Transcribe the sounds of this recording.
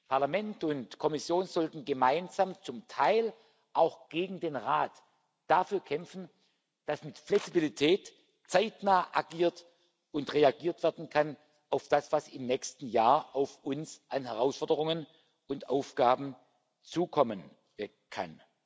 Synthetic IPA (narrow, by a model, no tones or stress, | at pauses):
pʰaɐlamɛntʊntkʰɔmɪsjoːnzɔltn̩ɡəmaɪnzamt͡sʊmtʰaɪl | ʔaʊxɡ̥eːɡŋ̩deːnʁaːt | d̥afyːɐkʰɛmfn̩ | d̥asmɪtflɛksibilitʰɛːt | t͡saɪtnaːʔaɡiːɐt | ʊntʁeaɡiːɐtv̥ɛɐdn̩kʰan | ʔaʊfd̥asv̥asɪmnɛçstn̩jaːɐʔaʊfʔʊnsʔanɦɛʁaʊsfɔɐdəʁ̞ʊŋən | ʊntʔaʊfɡ̥aːbm̩ | t͡suːkʰɔmən | kʰa̰n